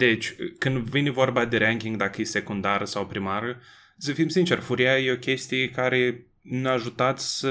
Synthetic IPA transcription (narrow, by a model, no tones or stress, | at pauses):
d̪̥e̞t͡ʃʲkɨnd̪vinʲvo̞rbad̪eɾaŋkʲiŋɡd̪akəjese̞kund̪aɾəsawpɾimaɾə | səfimsint͡ʃe̞rfuɾiajeo̞kʲe̞st̪ijekaɾe̞ | naʒut̪at̪sʲsə